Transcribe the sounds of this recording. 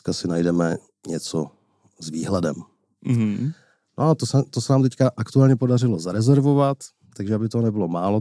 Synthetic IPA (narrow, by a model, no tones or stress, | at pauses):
kasɪnajdɛmɛ | ɲɛt͡so | zviːɦlɛdɛm̩ | ɦ̩ | noat̪osɛt̪osɛnaːmt̪ɛckaʔakt̪uaːlɲɛpodarɪlo̞zaɾɛzɛɾvovat̪ː | aɡʒɛabɪt̪oɦnɛbɪlo̞maːlo